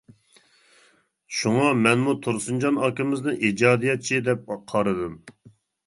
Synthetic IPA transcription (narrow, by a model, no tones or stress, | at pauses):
ʃuŋɑmɛnmut̪ʰuɾsund͡ʒɑnɑkɪmɪznɨʔid͡ʒɑːd̪ijɛt̪̚t͡ʃʰid̪ɛp̚qʰɑɾɨd̪ɨm